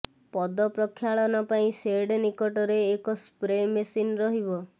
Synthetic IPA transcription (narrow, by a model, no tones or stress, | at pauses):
pɔd̪ɔpɾɔkʰːjaɭɔnɔpaĩseɽenikɔʈɔɾeːkɔspɾemesinɾɔɦibɔ